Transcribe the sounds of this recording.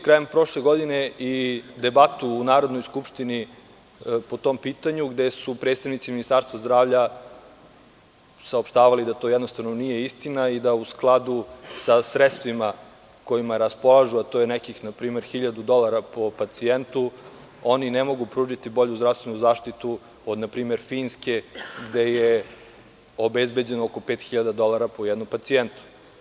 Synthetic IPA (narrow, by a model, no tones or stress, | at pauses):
kɾajempɾo̞ʃleɡo̞d̪ineʔid̪e̞bat̪uːnaːɾod̪no̞jskupʃt̪ini | po̞t̪o̞mpiːt̪aɲuɡd̪esupɾed̪st̪aʋnit̪siminist̪aɾst̪ʋazd̪ɾaːʋʎa | saopʃt̪aːʋalid̪at̪o̞jɛd̪no̞st̪aʋno̞nije̞ist̪inaid̪ausklˠad̪usasɾet̪st̪ʋima | ko̞jimaɾaspo̞lˠaʒuat̪oːjenekixnapɾiːme̞ɾxiʎad̪ud̪o̞lˠaɾapo̞pat̪sient̪u | o̞ninemo̞ɡupɾuːʒit̪ibo̞ʎuzd̪ɾafst̪ʋenuzaːʃt̪it̪u | od̪napɾiːme̞ɾfiːnskeɡd̪e̞je | o̞bezbe̞d͡ʑenooko̞pe̞ːt̪xiʎad̪ad̪o̞lˠaɾapojɛd̪nompat̪sient̪u̥